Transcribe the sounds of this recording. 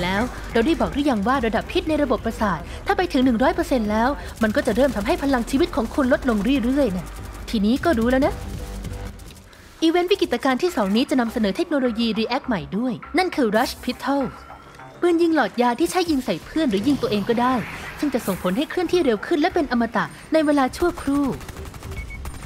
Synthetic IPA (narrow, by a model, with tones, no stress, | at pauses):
lɛː˦˥w | ɾa˧wda˥˩jbɔː˨˩dɯ˥˩ja˧ŋwaː˥˩ɾa˧da˨˩pʰːi˦˥t̪̚na˧jɾa˧bo˨˩pːɾa˧saː˨˩t̪̚ʰːaː˥˩pa˧jt̪ʰɯ˩˦ŋnɯ˨˩ŋɾɔː˦˥jpɤː˧se˧nlɛː˦˥w | ma˧nkɔː˥˩t͡ɕa˨˩ɾɤː˥˩mt̪ʰa˧mɦa˥˩jpʰa˧la˧ŋt͡ɕʰiː˧wi˦˥t̪̚kʰɔː˩˦ŋkʰu˧nlo˦˥t̪̚lo˧ŋɾɯː˥˩ɾɯ˥˩əjna˥˩t̪ʰiː˧niː˦˥kɔː˥˩ɾuː˦˥lɛː˦˥wna˦˥ | ʔiː˧we˦˥nwi˦˥ki˨˩t̪̚ʔa˧kaː˧nt̪ʰiː˥˩sɔː˩˦ŋniː˦˥t͡ɕa˨˩na˧msa˧nɤː˩˦t̪ʰe˦˥k̚noː˧loː˧jiː˧ɾiː˧ʔɛ˦˥k̚ma˨˩jdu˥˩əjna˥˩nkʰɯː˧ɾa˦˥spʰi˦˥t̪ʰːɔ˥˩w | mɯ˧nji˧ŋlɔː˨˩t̪̚jaː˧t̪ʰiː˥˩t͡ɕʰa˦˥jːi˧ŋsa˨˩jpʰɯ˥˩ənɾɯː˩˦ji˧ŋt̪u˧əʔeː˧ŋkɔː˥˩daː˥˩jsɯ˥˩ŋt͡ɕa˨˩ʔso˨˩ŋpʰo˩˦nɦa˥˩jkʰɾɯ˥˩əŋt̪ʰiː˥˩ɾe˧wkʰɯ˥˩nlɛ˦˥pe˧nʔa˧mːa˧t̪a˨˩ʔ | na˧jweː˧laː˧t͡ɕʰu˥˩əkʰɾuː˥˩